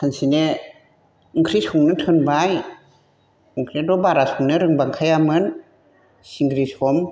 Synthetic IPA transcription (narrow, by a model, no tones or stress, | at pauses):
sʰansine | ɯŋkʰɾisʰuŋnɯtʰɯnbaj | ɯŋkʰɾidɔbaɾasʰuŋnɯɾɯŋbaŋkʰajamɯn | siŋɡɾisʰɔm